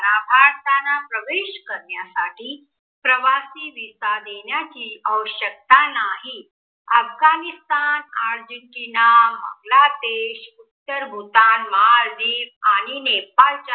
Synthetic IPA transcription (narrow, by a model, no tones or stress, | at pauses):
ɾabʱaɾt̪anapɾəʋeɕkəɾɳjasaʈiː | pɾəʋasiːʋisad̪eɳjat͡ɕiːəʋɕək̚t̪anaɦi | əfɡanist̪anaɾd͡ʑəɳʈinamə̰ɡlad̪eɕut̪ːəɾbʱut̪anməɦaɾd̪iːʋaɽ̃inepalt͡ɕa